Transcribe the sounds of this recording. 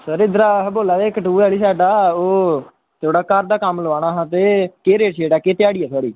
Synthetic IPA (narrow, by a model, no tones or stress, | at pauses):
səɾɪd̪ɾaːɦboːlaːd̪eːkəʈuːɛːliːsaːɖaːoː | t̪ʰoːɽaːkəɾd̪aːkəmləʋaːɽ̃aːɦãːt̪eːkeːɾeːʈʃʰeːɽaːkeːt̪ɪjaːɽiːɛːt̪ʰoaːɽḭː